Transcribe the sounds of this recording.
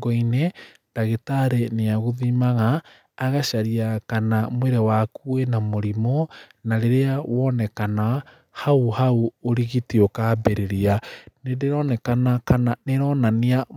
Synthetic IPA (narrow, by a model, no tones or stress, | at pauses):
ɡɔinendaɣetaɾeneaɣoðimaɣaː | ɣaʃaɾiakanamweɾewakuenamoɾimɔnaɾeɾeawɔnɛkana | hauhauoɾiɣitiokabɛɾeɾianedeɾɔnɛkanakananeɾɔnania